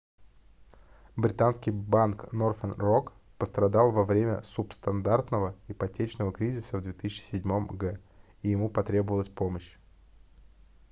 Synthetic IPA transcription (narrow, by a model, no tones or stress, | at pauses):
bɾʲɪt̪anskʲɪjbanknorfənrok | pəst̪ɾɐd̪ɑlˠvɐvɾʲemʲə̰supst̪ɐnd̪art̪nəvəɪpɐtʲet͡ɕnəvəkɾʲizʲɪsəvd̪vʲet̪ɨsʲɪt͡ɕɪ̥sʲɪdʲmo̞mɡɛ | ijɪmupɐt̪ɾʲe̞bəvəlˠəsʲpo̞məɕ